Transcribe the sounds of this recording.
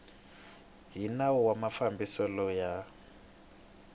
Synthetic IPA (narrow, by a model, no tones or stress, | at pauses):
ɦinawɔwamafambisɔlɔja